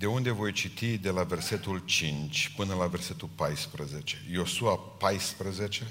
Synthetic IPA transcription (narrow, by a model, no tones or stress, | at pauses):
d̪e̞und̪e̞vo̞jt͡ʃit̪id̪e̞lave̞rse̞t̪ult͡ʃint͡ʃʲpɨnəlave̞rse̞t̪ulpajspɾəzet͡ʃe̞jo̞suapajspɾəzet͡ʃe̞